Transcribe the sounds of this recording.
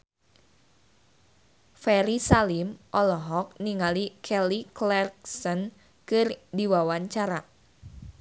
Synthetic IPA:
fɛɾisalimʔɔlɔɦɔk̚niŋalikʰɛliklɛrksən | kɨrdiwawaɲt͡ʃaɾa

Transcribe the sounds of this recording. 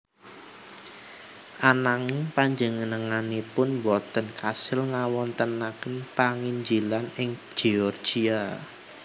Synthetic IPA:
ʔanaŋiŋpaɲd͡ʒəŋənəŋanipʊnwɔt̪ənkasɪlŋawɔnt̪ənakənpaŋiɲd͡ʒilanɪŋd͡ʒ̥iɔrd͡ʒ̥ia

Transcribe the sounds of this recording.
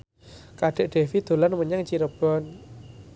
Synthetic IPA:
kaɖ̥ɛ̤ʔɖ̥e̤fid̪̥o̤lanməɲaŋt͡ʃiɾəb̥ɔn

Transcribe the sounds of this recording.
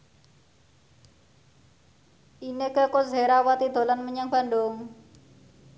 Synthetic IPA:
ʔinekəkozeɾawat̪id̪̥o̤lanməɲaŋb̥a̤nd̪ʊŋ

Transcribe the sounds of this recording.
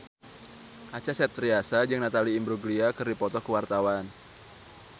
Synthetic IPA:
ʔat͡ʃasɛt̪ɾiasad͡ʒɨŋnat̪aliːmbɾuɡliakɨrdipɔt̪ɔkəwart̪awan

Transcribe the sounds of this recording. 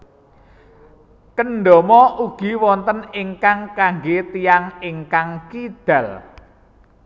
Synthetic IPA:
kənɖɔ̤mɔʔuɡ̥i̤wɔnt̪əniŋkaŋkaŋɡet̪ijaŋiŋkaŋkid̪̥ä̤l

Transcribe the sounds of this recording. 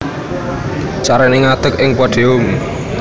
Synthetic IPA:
t͡ʃaɾɛniŋad̪̥əkɪŋpwaɖ̥eʊm

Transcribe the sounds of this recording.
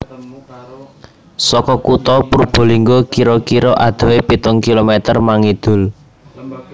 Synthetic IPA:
sɔkɔkut̪ɔpuɾub̥o̤liŋɡokiɾɔkiɾɔʔad̪̥o̤epit̪ʊŋkilomɛt̪ərmaŋid̪̥ʊ̤l

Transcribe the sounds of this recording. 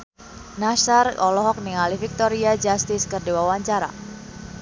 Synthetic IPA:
naʃarɔlɔɦɔk̚niŋalifik̚t̪ɔɾiad͡ʒast̪ɪskərdiwawaɲt͡ʃaɾa̰

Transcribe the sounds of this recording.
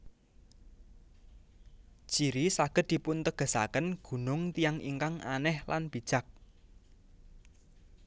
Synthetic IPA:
d͡ʒ̥iɾisaɡ̥ə̤t̪̚d̪̥i̤pʊnt̪əɡ̥ə̤sa̰kənɡ̥ṳnʊŋt̪ijaŋḭŋkaŋanɛhlanb̥i̤d̥ʒ̥a̤k̚

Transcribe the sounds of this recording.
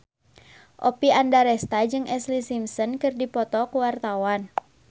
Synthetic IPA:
ʔɔpiandaɾɛst̪ad͡ʒɨŋʔɛslisimsɔnkɨrdipɔt̪ɔkuwart̪awan

